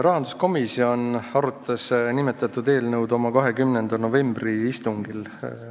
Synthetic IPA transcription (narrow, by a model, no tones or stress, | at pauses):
rɑɦɑnd̪̥usko̞misio̞nɑɾut̪ʰːˑɑsnimet̪ːˑɑt̪ːˑud̪e̞ːlnɤwd̪o̞mɑkɑɦe̞kymnend̪̥ɑno̞ve̞mbriist̪uŋɡ̥il